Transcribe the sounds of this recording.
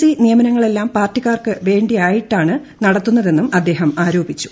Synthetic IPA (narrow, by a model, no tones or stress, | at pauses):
inijɐmɐnɐŋːɐɭe̞lːaːmpaːrtːiɣaːrkɨʋe̞ːɳɖijaːjiʈːaːɳɨnɐɽɐt̪ːunːɐðe̞nːumɐd̪ːe̞ːɦɐmaːɾoːbit͡ɕːu̥